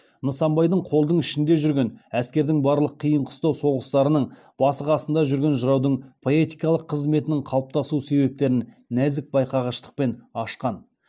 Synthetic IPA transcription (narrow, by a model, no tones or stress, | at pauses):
nəsɑmbɑjd̪əɴqʰo̞lˠd̪əɴɪʃɪnd̪e̞ʒʏɾɡʲe̞næskʲe̞ɾd̪ɪŋbɑɾlˠəqʰːijəɴqʰʊ̥st̪ɑwso̞ʁəst̪ɑɾənəɴ | b̥ɑsəqɑsənd̪ɑʒʏɾɡʲe̞nʒəɾɑwd̪əɴpʰo̞e̞t̪ijkɑlˠəqʰːəzme̞t̪ɪnɪŋqʰɑlˠəp̚t̪ɑsuse̞be̞p̚t̪e̞ɾɪn | næzɪk̚bɑjqɑʁɑʃt̪ə̥q̚pe̞nɑʃqɑn